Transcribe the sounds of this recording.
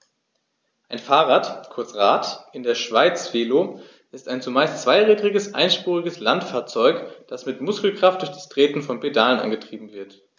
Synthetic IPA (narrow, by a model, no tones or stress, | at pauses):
ʔaɪnfaːʁaːtkʰʊɐt͡sʁaːtɪndeːɐʃv̥aɪt͡sv̥eːloː | ɪstaɪnt͡sumaɪstt͡sv̥aɪʁiːdʁɪɡəsʔa̰ɪnʃpuːʁ̞ɪɡəslantfaːɐt͡sɔʏkd̥asmɪtmʊskl̩kʁ̥aft̚d̥ʊɐçd̥astʁ̥eːtn̩fɔnpedalənʔa̰nɡətʁ̥iːbm̩vɪɐt